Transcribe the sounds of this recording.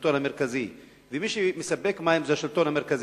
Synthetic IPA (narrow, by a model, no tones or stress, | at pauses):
t̪onameʁkazi | vemiʃemesabekmaimzeaʃilt̪onhameʁkaz